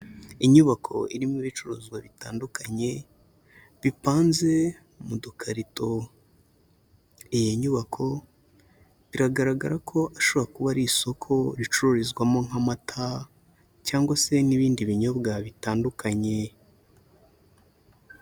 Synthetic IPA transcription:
iɲuβakʰo̞̰iɾimiβit͡ʃuɾuzɡwaβitaːndukʰaɲe̞ | βipaːnze̞ | mudukʰaɾito̞ | ijeɲuβakʰo̞ | βiɾaɡaɾaɡa̰ɾakʰo̞ʔaʃoβoɾakuβaɾiso̞kʰo̞ɾit͡ʃuɾuɾizɡwamo̞ŋ̥amatʰa | caːŋɡwase̞niβiːndiβiɲo̞bɡaβitaːndukʰaɲe̞

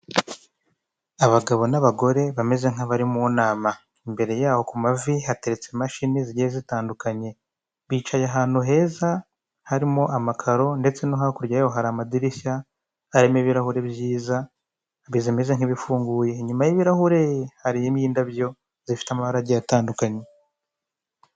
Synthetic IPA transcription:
aβaɡaβo̞naβaɡo̞ɾe̞βame̞ze̞ŋaβaɾimunaːma | imbe̞ɾe̞jaːho̞kumavihate̞ɾet͡semaʃiniziɟezitaːndukaɲe̞ | βiːt͡ʃajaɦaːn̥huɦe̞ːza | haɾimoʔamakʰaɾo̞nde̞t͡se̞noɦakuɾjaoɦaɾamadiɾisaː | ɾemeβiɾahuɾe̞βjiːza | βizime̞ze̞ŋ̥iβifuːŋɡuːje̞ɲumajiβiɾahuɾe̞haɾijemiːndaβjo̞ | zifi̥tamaβaɾaɟajataːndukaɲe̞

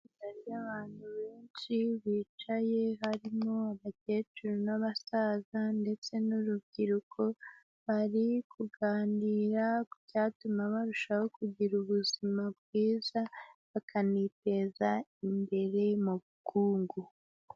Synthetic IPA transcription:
itaɾijaβaːn̥huβe̞ːnʃiβiːt͡ʃaje̞ɦaɾimŋo̞aβace̞ːt͡ʃuɾonaβasazande̞t͡se̞nuɾubɡiɾukʰo̞ | βaɾikʰuɡaːndiɾaku̥caːtumaβaɾuʃahokuɟiɾuβuzimab̚ɡiːzaβakʰaniːpe̞zaimbe̞ɾe̞muβukuːŋɡu

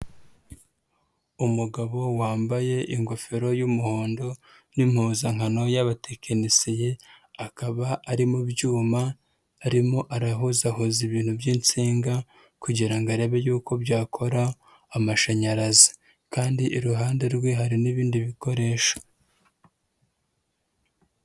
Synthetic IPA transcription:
umuɡaβo̞waːmbaje̞ʔiŋɡo̞fe̞ɾo̞jumuhoːndo̞ | nim̥huːzaŋhano̞jaβatekʰenisijeakaβaːɾimubɟuːmaː | ɾimo̞ʔaɾaɦuzahuziβiːnhubjiːnt͡siːŋɡa | kuɟiɾaŋɡaɾe̞ːβejuːko̞bɟaːkʰo̞ɾaː | maʃaɲaɾazi̥ | kaːndiʔiɾuɦaːnde̞ɾɡweɦaɾiniβiːndiβiko̞ɾe̞ːʃo̥

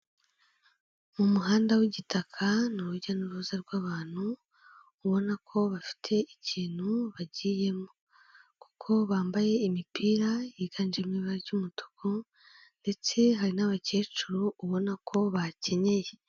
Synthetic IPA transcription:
mumuɦaːndawiɟitakʰanuɾuɟanuɾuzaɾɡwaːβaːn̥huː | βo̞nakʰo̞βafi̥tʰe̞iciːn̥huβaɟiːje̞mo | ku̥kʰo̞βaːmbaje̞imipiːɾajiɡ̥and͡ʒemɲiβaɾɟumutʰo̥kʰo | nde̞t͡se̞ɦaɾinaβace̞ːt͡ʃuɾuːβo̞nakʰo̞βace̞ɲe̞je̞

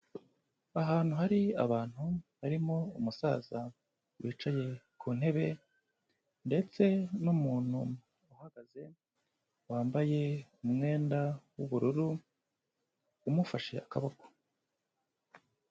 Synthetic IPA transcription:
aɦaːn̥huhaɾia̰βaːn̥huβaɾimo̞umusa̰ːza | wiːt͡ʃaje̞kʰuːn̥he̞βe̞ | nde̞t͡se̞numuːn̥hu | uhaɡaze̞ | waːmbaje̞umŋe̞ːndawuβuɾuɾu | mufaʃe̞̰akaβaɡo̥

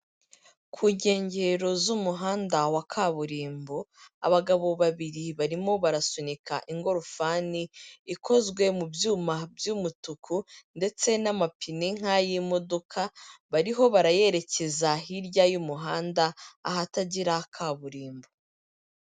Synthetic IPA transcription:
kʰuːɲɟe̞ːɲɟe̞ɾo̞zumuɦaːndawakʰaβuɾiːmboa̰βaɡaβo̞βaβiɾiβaɾimo̞βaɾasunikaʔiŋɡo̞ɾufaːniːkʰo̞zɡwe̞mubjuːmabjumutukʰunde̞t͡se̞namapiniŋ̥hajimodo̞kʰaβaɾiɦo̞βaɾaje̞ɾe̞ce̞zaɦiɾjajumuɦaːndaːɦataɟiɾakʰaβuɾiːmbo

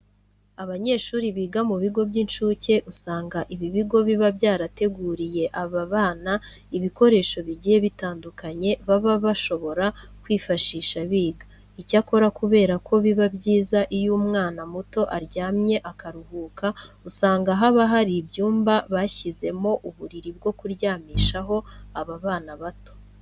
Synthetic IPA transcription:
aβaɲe̞ːʃuːɾiβiːɡamuβiɡo̞bɟinʃuːce̞ʔusaːŋɡaʔiβiβiɡo̞βiβabjaːɾate̞ɡuːɾije̞ʔaβaβaːna | iβiko̞ɾe̞ːʃo̞βiɟijeβitaːndukaɲe̞βaβaβaʃo̞βo̞ɾakwiːfaʃiːʃaβiːɡa | icako̞ɾakuβe̞ːɾakʰo̞βiβabɟiːzaʔijuːmŋaːnamuto̞ʔaɾɟaːmɲe̞ʔakaɾuhuːkausaːŋɡaɦaβaɦaɾibjuːmbaβaçize̞mo̞ʔuβuɾiɾib̚ɡo̞kuɾɟaːmiːʃaɦo̞aβaβaːnaβato̞̥

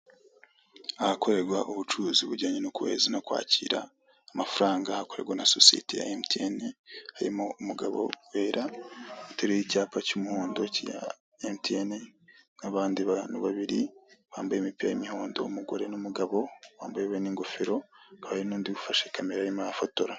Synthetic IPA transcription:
ahako̞ɾe̞ɾɡwaʔuβut͡ʃuziuβuɟaːɲenukuwe̞̰ːzinakwa̰ːciɾa̰ː | mafuɾaːŋɡahako̞ɾe̞̰ɡwanaso̰siḛteja̰emtenehaɾḭmoumuɡaβo̞̰weːɾauteɾejicaːpacumuhoːndo̞cija̰ | emtienenaβaːndiβaniβaβiɾiβaːmbajemipiɾajimiho̞ːndo̞̰umuɡo̞ɾe̞numuɡaβo̞βaːmbajeβeniːŋɡo̞feɾo̞kaβainuːndiβufaʃe̞kameɾajimaafotoɾa

